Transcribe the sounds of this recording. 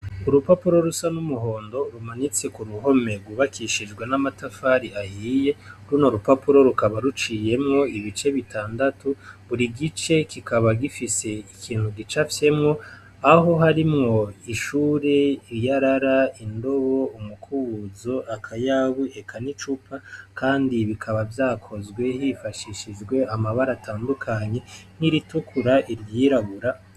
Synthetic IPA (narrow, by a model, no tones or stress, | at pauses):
uɾupapuɾo̞ɾusanumuɦo̞ːndo̞ɾumanit͡se̞kuɾuɦo̞me̞ɡuβakʰiʃid͡ʒɡwenamatafaɾiahiːje̞ɾunoɾupapuɾo̞ɾukaβaɾut͡ʃiːje̞mŋo̞iβit͡ʃe̞βitaːndatuβuɾiɡit͡ʃe̞kikʰaβaɡifise̞ikʰiːnhuɡit͡ʃafje̞mŋo̞ | aɦo̞ɦaɾimŋo̞iʃuːɾe̞ijaɾaɾaindo̞βo̞umukʰuβuzo̞ʔakʰajaβuekʰanit͡ʃupʰakaːndiβikʰaβavjaːkʰo̞zɡwe̞hifaʃiʃid͡ʒɡwe̞amaβaɾatʰaːndukʰaɲe̞n̥iɾitukʰuɾaʔiɾɡiːɾaɡuɾa